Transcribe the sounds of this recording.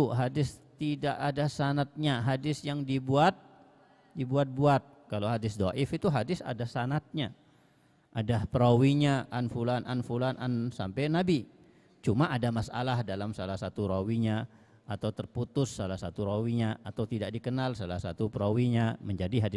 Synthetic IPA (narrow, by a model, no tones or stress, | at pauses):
uɦadɪst̪idaʔadasanat̪̚ɲaɦadɪsjaŋdibuat̪̚ | dibuat̪̚buat̪̚kaloɦadɪsdoʔɪfit̪uɦadɪsa̰dasanat̪̚ɲa | ʔadapɾawiɲaʔanfulananfulanʔansa̰mpajnabi | t͡ʃumaʔadamasa̰lahdalamsalahsat̪uɾawiɲa | at̪awt̪ərput̪ʊsːalahsat̪uɾawiɲaʔat̪awt̪idaʔ̚dikənalsala̰hsa̰t̪upəɾawiɲaməɲd͡ʒadiɦadɪ